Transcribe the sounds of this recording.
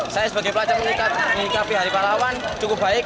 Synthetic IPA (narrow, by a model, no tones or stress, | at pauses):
sajasəb̥aɡeplat͡ʃarməŋlikat̪̚likapiɦaɾipalawant͡ʃukub̥aɪk̚